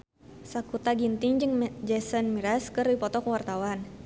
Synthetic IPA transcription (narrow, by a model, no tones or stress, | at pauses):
sakut̪aɡint̪iŋd͡ʒɨŋd͡ʒɛsənmiɾaskɨrdipɔt̪ɔkwart̪awan